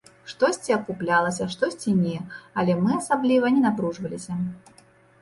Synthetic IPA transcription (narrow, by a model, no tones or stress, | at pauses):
ʂt̪ɔsʲt͡sʲiɐkuplʲalˠɐsʲɐʂt̪ɔsʲt͡sʲinʲɛɐlʲɛmɨasablʲivɐnʲɛnapɾuʐvɐlʲisʲɐ